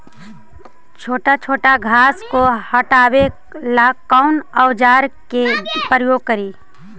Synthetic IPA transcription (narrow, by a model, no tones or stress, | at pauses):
t͡ʃʰoːʈat͡ʃʰoːʈaɡʱaːskohəʈaːwe | laːkːaʊnəwd͡ʒaːɾkepɾəjoːɡ̚kəɾiː